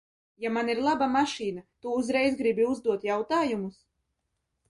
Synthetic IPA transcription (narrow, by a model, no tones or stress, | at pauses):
jamaniɾlˠabamaʃiːnat̪uːzɾɛjzɡɾibiuzd̪uɔt̪jawt̪aːjumus